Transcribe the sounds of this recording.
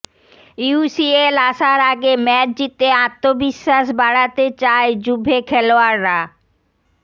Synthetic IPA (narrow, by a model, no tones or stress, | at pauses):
juusielaʃaɾaɡemɛt͡ɕd͡ʑit̪eãt̪ːobiʃːaʃbaɽat̪et͡ɕaed͡ʑubʱekʰɛloaɾːa